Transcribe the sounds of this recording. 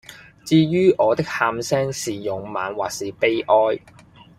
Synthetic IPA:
t͡siː˧ɥyː˥ʔɔː˨˧t̪ɪ˥k̚haː˧msɛː˥ŋsiː˨jʊ˨ŋma̰ː˨˧nwaː˨˩k̚siː˨˩pe˥jʔɔː˥j

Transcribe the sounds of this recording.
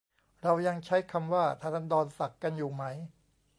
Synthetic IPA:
ɾa˧wja˧ŋt͡ɕʰa˦˥jkʰa˧mwaː˥˩t̪ʰaː˥˩na˦˥ndɔː˧nsa˨˩kːa˧njuː˨˩ma˦˥j

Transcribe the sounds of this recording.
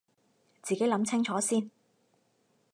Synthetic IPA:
t͡siː˨ke˨˥jlɐ˨˥mt͡sʰɪ˥ŋt͡ʃʰɔː˨˥siː˥n

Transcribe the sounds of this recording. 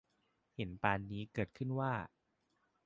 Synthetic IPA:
he˩˦npaː˧nːiː˦˥kɤː˨˩t̪̚kʰɯ˥˩nwaː˥˩

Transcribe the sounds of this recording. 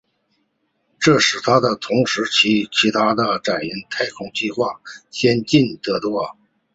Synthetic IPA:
ʈ͡ʂɤ˥˩ʂɻ̩˨˩t̪ʰa˥d̪ə˨t̪ʰʊ˧˥ŋʂɻ̩˧˥t͡ɕʰi˧˥t͡ɕʰi˧˥t̪ʰa˥d̪ə˨ʈ͡ʂa˨˩ni˧˥nt̪ʰa˥ɪkʰʊ˧˥ŋt͡ɕi˥˧xwa˥˩ɕjɛ˥nt͡ɕi˥˩nt̪ɤ˧˥t̪wɔ˥˩

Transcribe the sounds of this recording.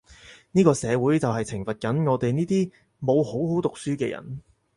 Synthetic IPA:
niː˥kɔː˧sɛː˨˧wuː˨˥jt͡sɐ˨wɦɐ˨jt͡sʰɪ˨˩ŋfɐ˨t̚kɐ˨˥nŋɔː˨˧t̪e˨jniː˥t̪iː˥ | mo˨˧who˨˥who˨˥wt̪ʊ˨k̚syː˥kɛ̰ː˧jɐ̰˨˩n

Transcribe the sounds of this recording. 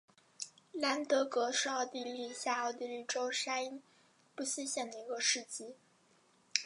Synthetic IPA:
la˧˥nt̪ɤ˧˥kɤ˧˥ʂɻ̩˥˧ɑ˥˧ʊt̪i˥˧li˥˧ɕja˥˩ɑ˥˧ʊt̪i˥˧li˥˩ʈ͡ʂo˥ʊʂa˥i˥n | pu˥˩ɕi˥ɕjɛ˥˩nd̪ə˩i˧˥ɡə˧ʂɻ̩˥˩t͡ɕi˥

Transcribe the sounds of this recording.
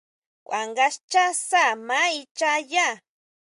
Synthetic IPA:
wʷa̰˨ŋɢast͡ʃa˦sa˦ma˦i˧t͡ʃa˦ja˦

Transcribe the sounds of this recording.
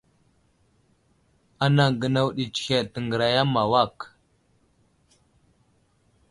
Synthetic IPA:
a˦na˨ŋɡə˨na˦wɗi˨t͡ʃi̥˨xe˨tə˨ŋɡə˨ɾa˨ja˦ma˨wa˦˨k

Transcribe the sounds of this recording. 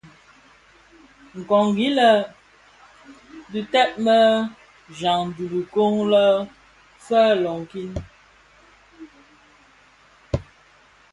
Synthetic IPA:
ŋ̩˨kɔ˨ŋɡi˦lə˨ | dʉ˨tɛ˦ʔ̚mə˦ | d͡ʒa˨ŋ˨du˨li˨ko˦ŋlə˦ | fə˦lɔ˨ŋ˨ki˦n

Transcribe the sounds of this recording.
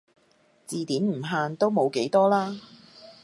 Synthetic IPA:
t͡siː˨˧t̪iː˨˥nm̩˨˩ɦaː˧nt̪o˥wmo˨˧wke˨˥jt̪ɔː˥laː˥

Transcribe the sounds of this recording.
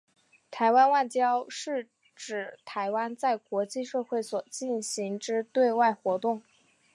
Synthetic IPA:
t̪ʰa˧˥ɪwa˥nwa˥˩ɪt͡ɕjɑ˥ʊʂɻ̩˥˩ | ʈ͡ʂɻ̩˨˩t̪ʰa˧˥ɪwa˥nt͡sa˥˩ɪkwɔ˧˥t͡ɕi˥˧ʂɤ˥˧xwe˥˩ɪswɔ˨˩t͡ɕi˥˩nɕi˧˥ŋʈ͡ʂɻ̩˥t̪we˥˧ɪwa˥˩ɪxwɔ˧˥t̪ʊ˥˩ŋ

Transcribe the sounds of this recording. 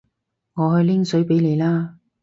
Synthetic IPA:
ŋɔː˨˧hɵ˧ɥlɪ˥ŋsɵ˨˥ɥpe˨˥jle˨˧jlaː˥

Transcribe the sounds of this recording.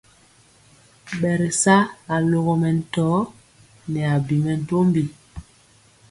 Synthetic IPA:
ɓɛ˨ɾɛ˨sa˦a˨lo˨ɣɔ˨mɛ˨n̩˨tɔ˨˦ | nɛ˨a˨bi˨mɛ˨n̩˦˨to˦mbi˨

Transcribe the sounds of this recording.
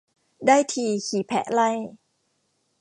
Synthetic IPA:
daː˥˩jt̪ʰiː˧kʰiː˨˦pʰɛ̰˧˦ʔla˥˩j

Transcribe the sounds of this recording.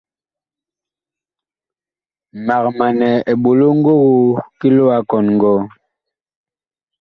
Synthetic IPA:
ma˨k̚ma˨nɛ˨e˨ɓo˨lo˦ŋ̩˦ɡo˦ɣo˦ki˦lo˦a˦kɔ˨nŋ˨ɡɔ˦

